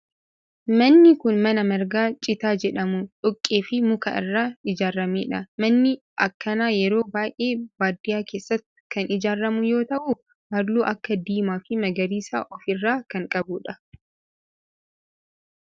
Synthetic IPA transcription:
mɐnːɪkʊnmɐnɐmɐɾɡaːt͡ʃʼɪt̪aːd͡ʒɛᶑɐmʊᶑʊkʼːeːfɪmʊkɐ̰ʔɪ̰rːaːɪd͡ʒaːrːɐmḛːᶑɐmɐnːɪ | ʔɐkːɐnaːjɛɾo̞ːbaːjʔe̞ːbaːd̪ːɪjaːke̞ːsːɐt̪ːɪ̥kɐnɪd͡ʒaːrːɐmʊjo̞ːt̪ɐʔʊ | bɐɾluːʔɐkːɐd̪iːmaːfɪmɐɡɐɾiːsa̰ːʔɔfɪrːaːkɐŋkʼɐbʊᶑɐ

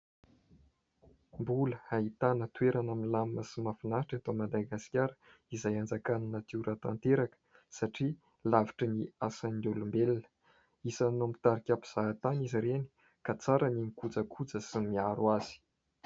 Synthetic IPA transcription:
mbuləait̪anət̪ueɾanaminlaməsimafinaɦʈ͡ʂant̪omad̪aɡaskʲaɾə̥ | izajand͡zakananət̪iuɾʔat̪a̰nt̪eɾakə̥ | saʈ͡ʂi | lavi̥ʈ͡ʂəniasanulumbelnə̥ | isanompi̥t̪aɾikʲapu̥z̥aɦːt̪aniziɾeni̥ | kat͡saɾaninikud͡zəkʰud͡zəsimiaɾwaz̥i̥

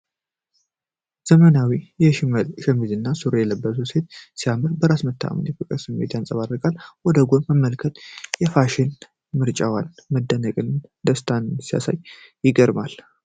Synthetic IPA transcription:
z̥əmənawijɛʃɪməlʃɛmizɨnːasuɾojɛləbːəsuse̞t̪̚sijamɨɾbəɾasmət̪ʰːa̰mə̰njɛfɨkʼɨɾsɨmːet̪jansʼəβarːəkʼalwɔd̪əɡonməmːəlkʰət̪jɛfaʃɪn | mɨɾt͡ʃʼawanməd̪ːənəkʼɨnd̪əst̪ʰannsija̰sa̰jː | ɪɡəɾmal

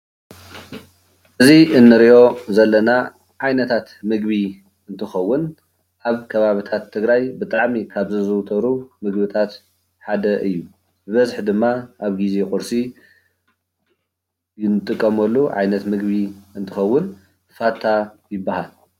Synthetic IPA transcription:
ʔɨziʔɨnːɨɾiʔo̞zɐlːɐna | ʕajnɐt̪ʰat̪mɨɡβi | ɨnt̪ʰɨxɐwːʊn | ʔaβkʰɐβaβit̪ʰat̪ʰːɨɡɾajbɨt̪ʼaʕmikʰaβzɨzɨwt̪ʰɐɾumɨɡbɨt̪ʰat̪ | ħad̪ɐʔɨjːu | bɨβɐzħd̪ɨmːaʔaβɡizekʼʊɾsi | jɪnɨt̪ʼɨkʼːɐmɐlːuʕa̰jnɐt̪mɨɡbiɨnt̪ʰɨxɐwːʊn | fat̪ʰːajɪbːahal

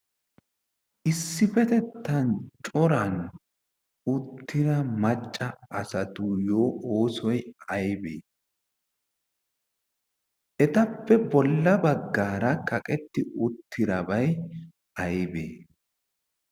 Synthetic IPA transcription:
ʔɪsːɪfɛt̪ɛt̪ːɐnt͡ʃʼɔɾɐn | ʊt̪ʰːɪɾɐmɐt͡ʃʼːɐʔɐsɐt̪ʊjoːoːsɔjɐjbḛː | ʔɛt̪ɐpːɛbɔlːɐbɐɡːaːɾɐkɐkʼɛt̪ːɪʔʊt̪ʰːɪɾɐbɐj | ʔɐjbḛː

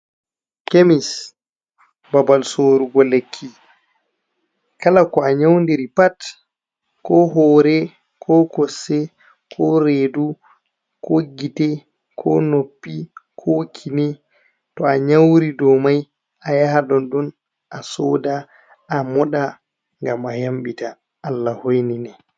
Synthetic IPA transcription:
kemis | babalsoɾuɡɔlekʰːi | kalakɔaɲawndiɾipat | kɔɦɔːɾɛ | kʰɔkɔsːɛ | kʰɔɾedu | kɔɡitɛ | kʰɔ̰nopːikʰɔkʰinɛ | tɔaɲawɾidɔmaj | ajaɦaɗɔnɗun | ʔasɔːdaː | mɔɗa | ŋɡamajamɓitaː | lːahojninɛ

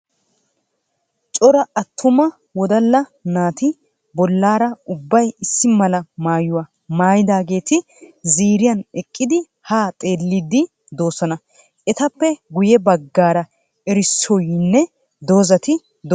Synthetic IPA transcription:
t͡ʃʼɔɾɐʔɐt̪ʰːʊmɐ | wɔd̪ɐlːɐnaːt̪ɪ | bɔlːaːɾɐʊbːɐjɪsːɪmɐlɐmaːjʊwɐ | maːjɪd̪aːɡe̞ːt̪ɪ | ziːɾɪjɐnɛkʼːɪd̪ɪ | haːt̪ʼe̞ːlːɪd̪ɪ | d̪o̞ːsɐnɐ | ɛt̪ɐpːɛɡʊjɛbɐɡːaːɾɐ | ɛɾɪsːɔjnːɛ | d̪o̞ːzɐt̪ɪ | d̪

